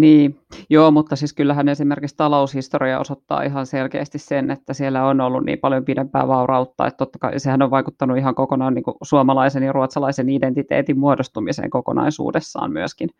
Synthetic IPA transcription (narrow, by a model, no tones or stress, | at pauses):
niː | joːmut̪ːɑsiskylːæɦænesimerkikst̪ɑloushist̪oriɑo̰sot̪ːɑ̰ːiɦɑnselkḛːst̪issenet̪ːæsielːæonolːunnḭːmpɑljompidempæ̰ːʋɑurɑut̪ːɑ̰ːḛt̪t̪ːot̪ːɑ̥kɑisehænoʋʋɑikut̪ːɑnuiɦɑŋkokonɑnniːŋkusuɑmɑlɑisenjɑruɑt̪sɑlɑisenident̪it̪ḛːt̪immuodost̪umisḛːŋkoko̰nɑ̰isṵːdesːɑ̰ːmmyæskin